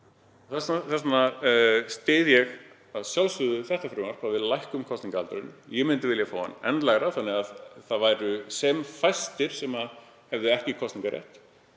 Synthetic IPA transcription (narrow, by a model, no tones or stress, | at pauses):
θɛsaθɛsnast̪eːðjɛɣ | aðsjawlsʏðʏθɛht̪afɾʏːmaɾ̥pavɪðlajhkʏmkʰɔst̪niŋkalt̪ʏɾʏ̰njɛmɪnt̪ɪvɪljafaːwa̰nːɛnt̪laɣɾaθanːɛɣaðθaðvajɾʏsɛmfajst̪ɪɾ̥sɛma | hɛvðɪɛhcɪkʰɔstnĩŋkaɾjɛ̰ht̪